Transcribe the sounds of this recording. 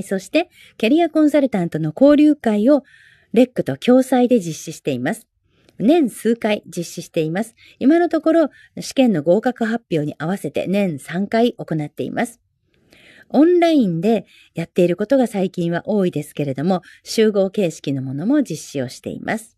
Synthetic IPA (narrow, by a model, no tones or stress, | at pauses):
so̞ɕi̥t̪e̞ | kʲeɾʲiakõ̞ɰ̃saɾɯ̟t̪ãnt̪o̞no̞ko̞ːɾʲɨːkaio̞ | ɾe̞kːɯ̟̥t̪o̞kʲo̞ːsaid̪e̞d͡ʑiɕːiɕi̥t̪e̞imasɨ̥ | nẽ̞ɰ̃sɨːkaid͡ʑiɕːiɕi̥t̪e̞imasɨ̥ | imano̞t̪o̞ko̞ɾo̞ | ɕi̥kẽ̞nːo̞ɡo̞ːkakɯ̟ɦapʲːjo̞ːɲ̟iʔaβ̞ase̞t̪ḛnẽ̞ɰ̃sãŋkaiʔo̞ko̞nat̪ːe̞̰ḭmʔasɨ̥ | õ̞nɾaĩnd̪e̞ | jat̪ːe̞iɾɯ̟ko̞t̪o̞ɡasaikʲĩɰ̃β̞a̰ʔo̞ːid̪e̞sɨ̥ke̞ɾe̞d̪o̞mo̞ɕɨːɡo̞ːke̞ːɕi̥kʲino̞mo̞no̞mo̞d͡ʑiɕːio̞ɕi̥t̪e̞̰ḭmʔa̰sɨ̥